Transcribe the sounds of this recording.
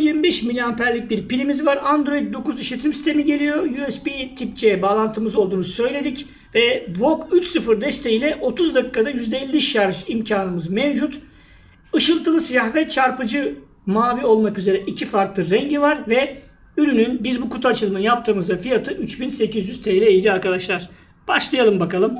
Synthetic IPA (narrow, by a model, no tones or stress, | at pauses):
jiɾmibɛʃmilʲianpʰæɾlʲic̚biɾpilʲimizvaɾand̪ɾo̞id̪̚d̪o̞kuziʃlʲet̪ʰimsi̥st̪ʰe̞miɟe̞lʲijo̞juɛspit̪ʰip̚t͡ʃʰeɛbaːlˠant̪ʰɯmɯzo̞lˠd̪uːnusø̞jlʲe̞d̪ic | vɛvo̞kyt͡ʃsɯfɯɾd̪ɛst̪ʰe̞jilʲɛʔo̞t̪ʰuzd̪akʰːad̪ajyzd̪eilʲːiʃaɾʒimcʰaːnɯmɯzmɛvd͡ʒut̪ | ɯʃɯlˠt̪ʰɯlˠɯsijahvɛt͡ʃʰaɾpɯd͡ʒɯ | maːvio̞lˠmakyze̞ɾɛʔicʰifaɾklˠɯɾɛɲɟivaɾvɛ | yɾynynbizbukut̪ʰat͡ʃʰɯlˠɯmɯnjap̚t̪ʰɯːmɯzd̪afijat̪ʰɯʔyt͡ʃbinse̞cizjyz̥t̪ʰeːlɛːjd̪ʲiaɾkad̪aʃlˠaɾ̥ | b̥aʃlˠajalˠɯmbakalˠɯm